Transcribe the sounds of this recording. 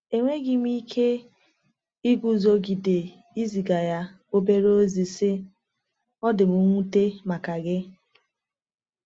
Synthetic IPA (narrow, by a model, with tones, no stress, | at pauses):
e˨ŋʷe˦ɡɪ˨m˦i˦kʰe˦ | i˦ɡʷu˦zo˦ɡi˨de˨ | i˦zi˨ɡa˨ja˦ | o˦be˦ɾo˦zi˨sɪ˦ | ɔ˦dɪ˨mu˦ŋʷu˦te˦ma˨ka˨ɡɪ˦